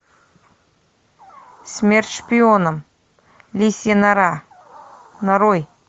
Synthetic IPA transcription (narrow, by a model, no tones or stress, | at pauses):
smʲerʲt̪ʲʂpʲionəm | lʲisʲenɾɑ | naɾoj